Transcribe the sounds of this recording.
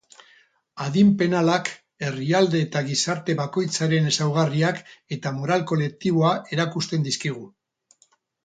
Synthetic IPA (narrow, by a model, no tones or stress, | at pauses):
að̞impe̞nalak | e̞riald̪e̞ːt̪aɣisaɾt̪e̞βako̞jt͡saɾe̞ne̞sawɣ̞ariake̞t̪amo̞ɾalko̞le̞k̚t̪iβ̞o̞aʔe̞ɾakust̪e̞nd̪iskiɣ̞u